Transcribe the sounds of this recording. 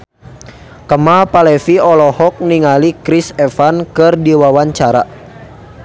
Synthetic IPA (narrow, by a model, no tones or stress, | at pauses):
kəmalpalɛfiɔlɔhɔk̚niŋalikɾisɛfankɨrdiwawaɲt͡ʃaɾa̰